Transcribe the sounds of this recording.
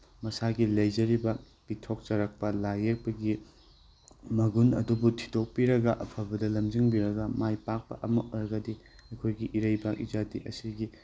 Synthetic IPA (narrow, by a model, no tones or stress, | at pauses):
mɐsaɡilɐjd͡ʒɐɾibɐ | bitʰok̚t͡ʃɐɾɐk̚pɐlajek̚pɐɡi | mɐɡunɐ̰dubutʰi̥tok̚piɾɐɡɐʔɐpʰɐbɐdɐlɐmd͡ʒiŋbiɾɐɡɐmajpak̚pɐ̰ʔɐmɐʔoɾɐɡɐdi | ɐjkʰojɡiʔiɾɐjbɐʔḭzadiʔɐ̰siɡi